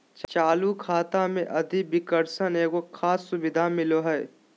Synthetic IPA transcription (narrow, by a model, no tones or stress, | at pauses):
t͡ʃt͡ʃaːlukʰaːt̪amẽʔɐd̪ʱibɪkəɾsəneːkokʰaːsːʊbɪd̪ʱamɪloɦɛː